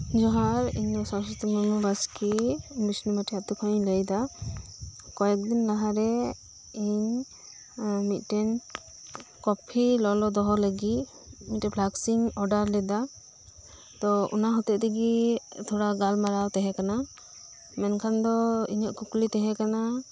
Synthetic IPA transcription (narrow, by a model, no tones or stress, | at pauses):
d͡ʒɔɦaɾḭɲd̪ɔsawsɔt̪ɔmamubaskibisnumaʈʰiat̪ukʰɔɲləjd̪a | kɔjɛk̚d̪inlaɦaɾɛ | iɲ | mit̪̚ˀʈɛn | kɔpʰilɔlɔd̪ɔɦɔləɡi | mit̪ɛblaksiŋɔɖaɾlɛd̪a | t̪ɔṵnaɦɔt̪ɛʔt̪ɛɡit̪ʰɔɽaɡalmaɾawt̪ɛɦɛkana | mɛnkʰand̪ɔḭɲɔʔkuklit̪ɛɦɛ̃kana